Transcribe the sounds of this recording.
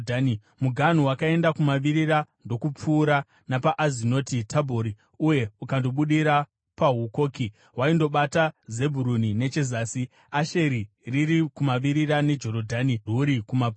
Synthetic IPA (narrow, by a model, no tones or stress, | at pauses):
dani | muɡʱan̤uwakae̞ndakumaʋiɾiɾando̞kup͡fuːɾa | napaʔazino̞ːtitʰabʱoɾi | uje̞ukando̞ɓuɗiɾa | paɦuko̞ːki | ɦwaindo̞ɓataze̞bʱuɾunine̞t͡ʃe̞zaːsi | aʃe̞ɾi | riɾikumaʋiɾiɾane̞d͡ʒo̞ɾo̞dʱaniruɾikumap